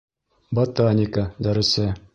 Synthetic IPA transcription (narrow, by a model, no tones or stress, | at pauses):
bot̪anʲɪkəd̪æɾɘ̆sɘ